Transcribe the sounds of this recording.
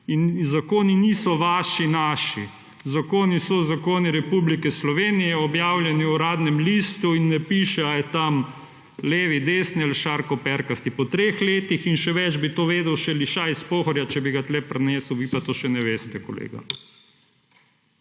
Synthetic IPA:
inzakoːniniːsɔʋaːʃinaːʃi | zakoːnisɔzakoːniɾɛpublikɛslɔʋeːnijɛɔbjaːwljɛniuɾaːd̪nɛmliːst̪uinːɛpiːʃɛajɛt̪am | leːʋid̪eːsnɛlʃaɾkɔpɛɾkast̪ipɔt̪ɾexleːt̪ixinʃɛʋɛt͡ʃbit̪oːʋeːd̪ɛwʃɛliʃaispoːxɔɾjat͡ʃɛbiɡat̪lɛpɾnɛːsəwʋiːpat̪oːʃɛnɛʋeːst̪ɛkɔlḛːɡa̰

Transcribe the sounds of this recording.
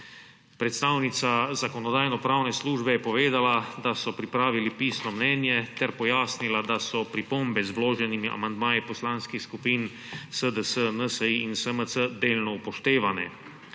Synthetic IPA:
pɾɛt̪st̪aːwnit̪sazakɔnɔd̪aːjnɔpɾaːwnɛsluːʒbɛjɛpɔʋeːd̪alad̪asɔpɾipɾaːʋilipiːsnɔmnɛːnjɛt̪ɛɾpɔjaːsnilad̪asɔpɾipombɛzbloːʒɛnimiʔa̰mand̪maːjipɔslaːnskixskupiːn | səd̪əsənəsəiːnsəməsəd̪eːlnɔupɔʃt̪eːʋanɛ̰

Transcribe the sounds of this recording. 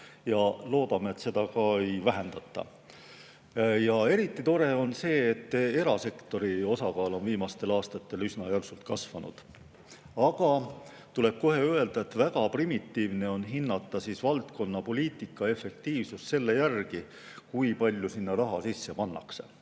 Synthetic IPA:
jɑlo̞ːd̪̥ɑmeet̪se̞d̪̥ɑkɑe̞jvæɦe̞nd̪ɑt̪ːˑɑ̰ | jɑe̞ɾit̪ːˑit̪o̞ɾe̞o̞nse̞ːt̪ˑːe̞ɾɑse̞kt̪o̞ɾio̞sɑkɑːlo̞nviːmɑst̪e̞lɑːst̪ɑt̪ːe̞lysnɑjælsult̪̚kɑsvɑnṵd̪̥ | ɑɡ̥ɑ | t̪ule̞b̥̚ko̞ɦe̞øe̞ld̪̥ɑe̞t̪væɡ̥ɑprimit̪ːiːvne̞o̞nɦinːɑt̪ˑːɑsisvɑlt̪ko̞nːɑpo̞lʲiːt̪ˑikːˑɑe̞fːe̞k̚t̪iːvsusse̞lːe̞jærɡ̥i | kujpɑlʲjusinːɑrɑɦɑ̰sisːe̞pɑnːɑ̰kse̞̰

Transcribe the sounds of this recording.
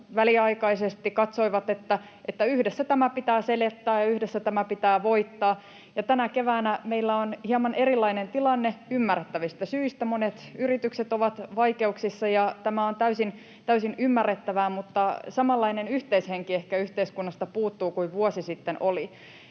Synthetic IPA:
ʋæliɑikɑisest̪ikɑt̪soiʋɑt̪et̪ːæ | ʔet̪ːæyhdesːæt̪æmæpit̪æːselet̪ːæːjɑyhdesːæt̪æmæpit̪æːʋoit̪ːɑː | jɑt̪ænækeʋæːnæmeilːæonhiɑmɑnʔerilːɑinent̪ilɑnːeymːærːet̪ːæʋist̪æsyist̪æmonet̪yrit̪ykset̪oʋɑt̪ʋɑikeuksisːɑjɑt̪æmæont̪æysin | t̪æysinymːærːet̪ːæʋæːmut̪ːɑsɑmɑlːɑinenyht̪eisheŋkiehkæyht̪eiskunːɑst̪ɑpuːt̪ːuːkuiʋʋuosisit̪ːenoli

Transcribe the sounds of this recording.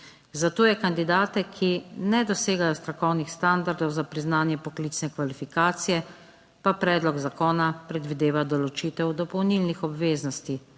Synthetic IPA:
zat̪oːjɛkand̪id̪aːt̪ɛkʰinɛd̪ɔseːɡajɔst̪ɾakɔwnixst̪and̪aɾd̪ɔwzapɾiznaːnjɛpɔklit͡ʃnɛkʋalifikaːt̪sijɛ | papɾɛːd̪lɔɡzakɔːnapɾɛd̪ʋid̪eːʋad̪ɔlɔt͡ʃiːt̪ɛwd̪ɔpɔwnilnixɔbʋeːznɔst̪i

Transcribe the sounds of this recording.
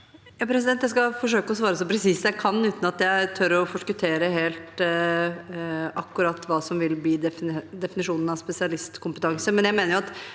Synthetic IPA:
jɑːpʰɾɛsɪd̪ɛnt̪jæɪskɑfɔʂøːkəɔsʋɑːɾəsɔpʰɾɛsiːsjæɪkʰɑnːʉːt̪n̩ɑt̪jæɪt̪ʰœɾɔfɔʂkʉt̪ʰeːɾəɦeːlt̪ | ɑkːʉɾɑt̪ːʋɑːsɔmʋɪlbliːd̪ɛd̪ɛfɪnɪʂuːnən̩ɑspɛsɪɑlɪst̪kʰʊmpət̪ʰɑŋsəmɛnjæɪmeːnəɾjʊɑt̪

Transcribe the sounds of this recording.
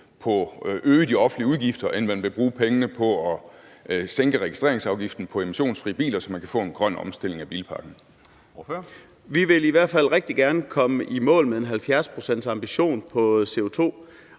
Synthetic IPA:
pʰɒ̽ʔøːd̥iɒ̽fn̩liəuðˠɡ̥ifd̥ɐʔenmænʋe̝b̥ʁuːpʰeŋənəpʰɒ̽ɒ | seŋɡ̥əʁɛɡ̥isd̥ʁe̝ɐeŋsɑ̈ʊɡ̥ifd̥n̩pʰɒ̽e̝miɕo̝̰ːnsfʁḭːəb̥ḭːlɐsɒ̽mænkʰæfɔ̰̽ːenɡ̥ʁɶn̰ɒ̽msd̥e̝l̰e̝ŋæb̥ḭːlpʰɑ̈ɡ̥n̩ | ʋiʋe̝liʋæɐ̰d̥fæl̰ʁeɡ̥̚d̥iɡ̥æɐnəkʰɒ̽məʔimɔ̰̽ːlmee̝nɦælfjæɐspʰʁo̝sen̰d̥sɑ̈mb̥iɕo̝̰ːnpʰɒ̽se̝ːo̝t͡sʰo̝̰ː

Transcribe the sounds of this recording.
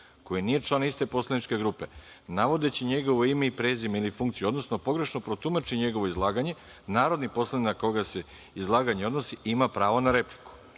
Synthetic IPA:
ko̞jinije̞t͡ʃlˠanist̪e̞po̞slˠanit͡ʃke̞ɡɾupe̞ | naʋo̞d̪e̞t͡ɕiɲe̞ɡo̞ʋoimeipɾe̞ːzimilifuŋkt̪sijuo̞d̪no̞sno̞po̞ɡɾe̞ʃno̞pɾo̞t̪umat͡ʃiɲe̞ɡo̞ʋoizlˠaːɡaɲe̞ | naːɾo̞d̪nipo̞slˠaninakoɡase̞ | izlˠaːɡaɲeo̞d̪no̞siimapɾaːʋonaɾe̞pli̥ku̥

